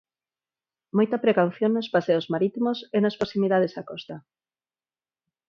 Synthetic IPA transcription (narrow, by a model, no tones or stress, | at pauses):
mojt̪ɐpɾekawθjoŋnospaseozmaɾit̪imosenaspɾosimiðað̞esakɔst̪ɐ